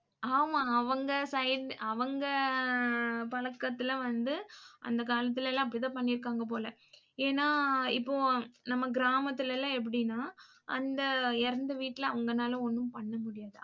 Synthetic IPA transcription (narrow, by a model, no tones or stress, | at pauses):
aːmaːɐʋɐŋɡɐsɐɪɪɖɐʋɐŋɡɐ | pɐɭɐkːɐt̪ːɪl̃ʋɐnd̪ɯʔɐ̰nd̪ɐkaːlɐt̪̬ːɯɪlɛlːãːɪpːɐɽɪt̪ãːpɐɳːɪɾɯkːaːŋɡɐp̬oːlɐ | eːnːaːɪpːoːnɐmːɐɡɪɾaːmɐt̪ːɪlɛlːãːɛp̬ːɐɽɪnːaː | ʔɐ̰nd̪ɐɪɾɐnd̪ɐʋiːʈːɪlɐɐʋɐŋɡɐnaːlɐɔnːɯmpɐɳːɐmʊɽɪjaːðɯ